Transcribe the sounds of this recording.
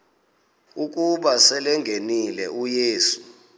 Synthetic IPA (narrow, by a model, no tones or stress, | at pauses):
uk̬ʼuɓasɛlɛŋʱenilɛ̰ʔujeːsu̥